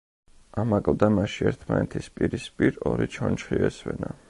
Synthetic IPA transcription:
amakʼld̪amaʃiɛɾt̪ʰmanɛt̪ʰispʼiɾispʼiɾɔɾit͡ʃʰɔnt͡ʃχiɛswɛna

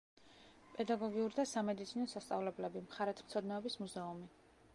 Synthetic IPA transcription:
pʼɛd̪aɡɔɡiuɾd̪asamɛd̪it̪sʰinɔsast̪sʼa̰vlɛblɛbimχaɾɛt̪ʰmt̪sʰɔd̪nɛɔbismuzɛumi

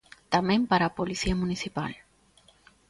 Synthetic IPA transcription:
t̪amẽmpaɾapolisiamũnisipa̰l

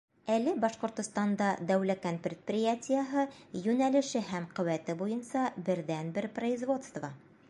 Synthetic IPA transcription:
ælɘbɑʃqŏɾt̪ŏst̪ɑnd̪ɑd̪æwlækænpɾʲɪt̪̚prʲɪjatʲɪjəɦɤjʉnælɘ̆ʃɘhæmqɵ̆wæt̪ɘbujɤnsɑbɘ̆ɾðænbɘɾprɐizvo̞t̪st̪vɑ

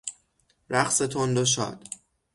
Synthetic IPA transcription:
ɾæχset̪ʰond̪oʃ̬ɒ̰ːd̪̥

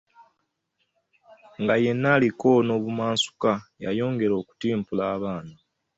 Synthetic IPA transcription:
ŋɡaje̞nːaːliko̞no̞ːβumaːnsu̥kaja̰jo̞ːŋɡe̞ɾo̞ːku̥tiːmpulaːβaːna

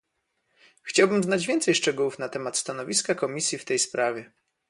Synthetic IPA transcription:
xt͡ɕawbɘmznad͡ʑvʲjɛnt̪sɛjʂt͡ʂɛɡuwufnat̪ɛmat̪st̪anɔvʲiskakɔmʲisʲjift̪ɛjspɾavʲjɛ

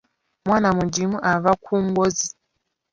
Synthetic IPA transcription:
mwanamud͡ʒimuʔavakʰuŋɡɔzi

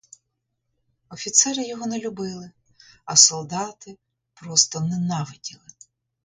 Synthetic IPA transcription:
ɔfʲit̪sɛɾɪjɔɦɔnelʲʊbɪlˠɪ | ɐsɔlˠd̪ɑt̪ɪ | pɾɔst̪ɔnɛnɑʋɪdʲilˠɪ

